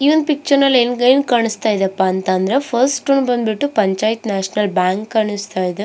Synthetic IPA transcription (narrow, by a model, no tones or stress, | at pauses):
iʋɐnd̪pɪk̚t͡ʃɐɾnɐlenɡɐjnkaːɳist̪aːjiðeɐpːaːnt̪aːnd̪ɾɐfɐɾsʈːunbɐnbiʈːɯpɐɲt͡ʃaːjt̪naːʂnɐlbaːŋkkːaːɳɯst̪aːjðɯ